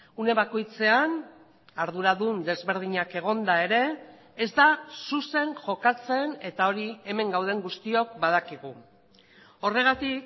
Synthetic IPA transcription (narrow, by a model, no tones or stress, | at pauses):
une̞βako̞jt͡se̞an | aɾðuɾaðund̪e̞zβe̞ɾð̞iɲake̞ɣ̞o̞nd̪ae̞ɾe̞ː | zd̪asuse̞ŋʝo̞kat͡se̞ne̞t̪ao̞ɾie̞me̞ŋɡawð̞e̞ŋɡust̪io̞k̚bað̞akiɣu | o̞re̞ɣ̞at̪ik